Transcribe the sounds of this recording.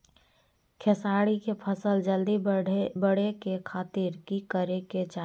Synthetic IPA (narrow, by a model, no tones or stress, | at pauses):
kʰɛsaːɽikepʰəsəld͡ʒəld̪ibəɽ̤ekekʰaːt̪iɾkikəɾeket͡ʃa